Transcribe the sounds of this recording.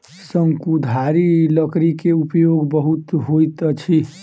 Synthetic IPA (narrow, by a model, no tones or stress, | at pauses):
səŋkud̪ʱaɾiləkɾikeupjoɡbəɦut̪ɦojt̪ət͡ʃʰi